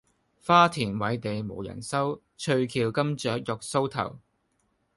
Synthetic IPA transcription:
faː˥t̪ʰiː˨˩nwɐ˨˥jt̪e˨jmo̰˨˩wjɐ̰˨˩nsɐ˥w | t͡ʃʰɵ˧ɥkʰiː˨wkɐ˥mt͡ʃœː˨˥k̚jɔ˨k̚so˥wt̪ʰɐ̰˨˩w

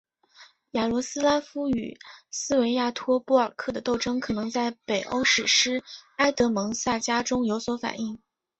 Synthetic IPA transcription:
ja˨˩lwɔ˧˥sɹ̩˥la˥fu˥y̰˨˩sɹ̩˥we˧˥ɪja˥˩t̪ʰwɔ˥pu˥˩ə˞˨˩kʰɤ˥˩d̪ə˩t̪o˥˩ʊʈ͡ʂɤ˥ŋkʰɤ˨˩nɤ˧˥ŋt͡sa˥˩ɪpe˨˩ɪʔo̰˥ʊʂɻ̩˨˩ʂɻ̩˥a˥ɪt̪ɤ˧˥mɤ˧˥ŋsa˥˩t͡ɕja˥ʈ͡ʂʊ˥ŋjo˧˥ʊswɔ˧˥fa̰˨˩ni˥˩ŋ

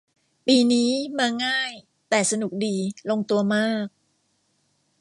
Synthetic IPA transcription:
piː˧niː˦˥maː˧ŋaː˥˩j | t̪ɛː˨˩sa˧nu˨˩k̚diː˧lo˧ŋt̪u˧ɐmaː˥˩k̚

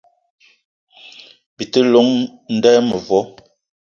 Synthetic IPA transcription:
bi˨tə˦lo˦ŋn̩˦dɛː˦mə˨vwɔ˦

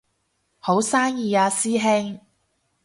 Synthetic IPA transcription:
ho˨˥wsaː˥ŋjiː˨˧jaː˨˧siː˥ɦe˥ŋ

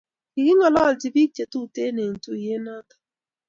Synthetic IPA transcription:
i˨ɡɪ˦ŋɔ˨lɔ˦˨ld͡ʒi˨bi˦k̚t͡ʃe˨tu˦˨te˦ne˨n̩˨tu˦i˨je˦na˦tḁ˨

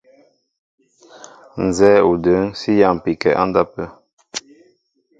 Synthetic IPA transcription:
n̩˨zɛː˦u˨də˨˦ŋsi˦ja˦˨m˨pi˨kɛ̰˨ʔa̰˦nda˦pə˦

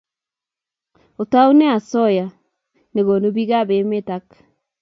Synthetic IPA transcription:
o˨ta˦u˦ne˦a˨sɔ˦ja˨ | ne˨ɣo˨no˦βi˦ɣa˦βe˨me˦ta˦k

